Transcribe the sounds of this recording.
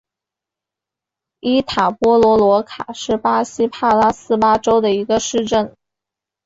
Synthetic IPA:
i˥t̪ʰa˨˩pwɔ˥lwɔ˧˥lwɔ˧˥kʰa˨˩ʂɻ̩˥˩pa˥ɕi˥pʰa˥˧la˥sɹ̩˥pa˥ʈ͡ʂo˥ʊd̪ə˨i˧˥ɡə˧ʂɻ̩˥˧ʈ͡ʂə˥˩n

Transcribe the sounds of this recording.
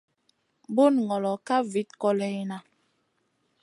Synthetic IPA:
bo˦˨nŋɔ˨lɔ˨ka˦vi˨˦t̚kɔ˦lɛ˨˦na˨

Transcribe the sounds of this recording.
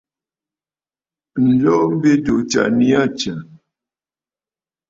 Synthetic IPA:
n̩˨lɔ˦m̩˦be˦do˨t͡ʃa̰˨ni˦a˦˨t͡ʃa˨

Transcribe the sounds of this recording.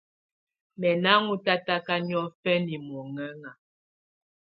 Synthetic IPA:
mɛ˨na˦ŋu˦ta˦ta˦ka˦ɲ˦ɔ˦fɛ˦ni˨mɔ˨ŋɛ˦ŋa˨

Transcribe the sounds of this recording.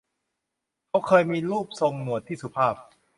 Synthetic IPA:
kʰa˦˥wkʰɤː˧jmiː˧ɾuː˥˩p̚so˧ŋnu˨˩ət̪ʰːiː˥˩su˧˦pʰaː˥˩p̚

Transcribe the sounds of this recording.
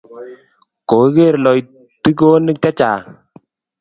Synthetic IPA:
ko˨˦ɣe˦˨ɾlɔ˨j | ti˦k̬o˦ni˦k̚ta˦t͡ʃa˨

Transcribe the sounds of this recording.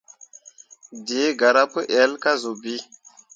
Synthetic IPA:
di˨˦ɡa˨ɾa˦pə˦ʔɛ˨˦lka˦zo˨bi˦

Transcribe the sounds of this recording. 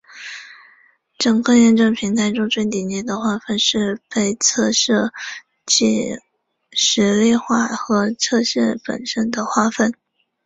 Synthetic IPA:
ʈ͡ʂɤ˨˩ŋkʰɤ˥˧jɛ˥˧nʈ͡ʂɤ˥˩ŋpʰi˧˥ŋt̪ʰa˥ɪʈ͡ʂʊ˥t͡swe˥˩ɪt̪i˨˩nt͡ɕɛ˥˩d̪ə˨xwa˥˧fə˥˧nʂɻ̩˥˧pe˥˧ɪt͡sʰɤ˥˧ʂɤ˥˧ | t͡ɕi˥˩ | ʂɻ̩˧˥li˥˧xwa˥˩xɤ˧˥t͡sʰɤ˥˧ʂɛ˥˩pə̰˨˩nʂə˥nd̪ə˨xwa˥˧fə˥˩n

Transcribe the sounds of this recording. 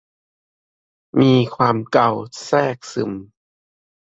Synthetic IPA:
miː˧kʰwaː˧mka˧˩wsɛː˥˩k̚sɯ˨˧˩m

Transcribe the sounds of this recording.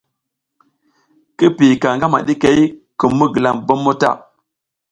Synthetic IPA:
ki˦pi˨ka˨ŋɡa˦ma̰˨ɗi˦ke˨i˦kə˨mːu˦ɡə˨la˨mbo˦mːo˦ta̰˦˨

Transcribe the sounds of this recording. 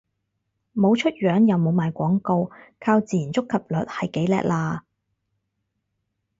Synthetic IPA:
mo˨˧wt͡ʃʰɵ˥t̚ɥœː˨˥ŋjɐ˨˧wmo˨˧wmaː˨jkʷɔː˨˥ŋko˧wkʰaː˧wt͡siː˨ji˨˩nt͡sʊ˥kʰːɐ˨p̚lɵ̰˨t̚hɐ˨jke˨˥jlɛ̰ː˨˧k̚laː˧

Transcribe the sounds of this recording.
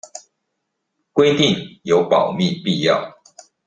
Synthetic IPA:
kwe˦ɪt̪i˥˨ŋjo˨˥ʊpɑ˨˩ʊmi˥˨pi˥˨jɑ˥˨ʊ

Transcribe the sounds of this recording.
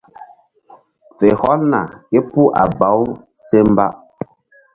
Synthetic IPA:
fe˨hɔ˦lna̰˨e˦pu˦ʔa˨ba˨˦w | se˦m˦ba˦

